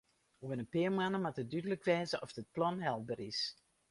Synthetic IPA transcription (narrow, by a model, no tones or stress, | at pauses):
oənəpɪəɹmanəmatədydələkʋɛːzəɔfdət̚plɔnɦɛlˠbəris